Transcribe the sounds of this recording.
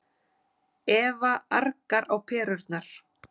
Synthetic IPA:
ɛːvaʔaɾkaɾawpʰɛːɾʏɾt̪naɾ̥

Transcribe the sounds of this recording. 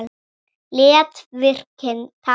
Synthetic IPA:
lɪːat̪vɪr̥kʰɪnθʰa

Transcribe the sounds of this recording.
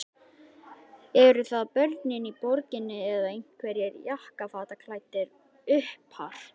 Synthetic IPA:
ɛɾʏθaðpœɾt̪nɪnipɔɾcɪnːɪɛðaejn̥kʰvɛɾjɛɾjahkafaːt̪akʰlaːjt̪ɪɾ | ʏhphaɾ̥

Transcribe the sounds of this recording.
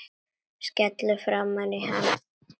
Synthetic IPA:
scɛt̪lʏfɾamːaniɦam

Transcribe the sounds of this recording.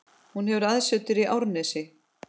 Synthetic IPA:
hunhɛvʏɾaðsœt̪ɪɾiʔawɾnɛsɪ

